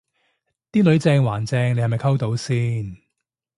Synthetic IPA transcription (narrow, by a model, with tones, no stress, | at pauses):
t̪iː˥lɵ˨˥ɥt͡sɛː˧ŋwaː˨˩nt͡sɛː˧ŋne˧jhɐ˨jmɐ˨˩jkʰɐ˥wt̪o˨˥wsiː˥n